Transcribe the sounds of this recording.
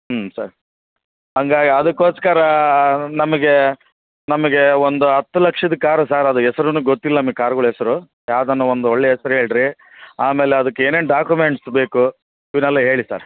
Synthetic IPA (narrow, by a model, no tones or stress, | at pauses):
sa̰ːɾ | ɦɐŋɡaːɡiɐd̪ɐkːo̞ːskɐɾɐnɐmɐɡe̞ | nɐmɐɡe̞ond̪uɦɐt̪ːulɐkʂɐd̪ɐkaːɾusaːɾɐd̪uɛsɐɾunuːɡot̪ːilːɐnɐmɐɡekaːɾuɡɐɭuɛsɐɾu | jaːʋd̪ɐnːɐond̪uoɭːeɦɛsɐɾuɦe̞ːɭɖɾi | aːme̞ːleɐd̪ɐkːeeːneːnɖaːkjumeɳʈsbe̞ːku | iʋnɛlːɐɦe̞ːɭisa̰ːɾ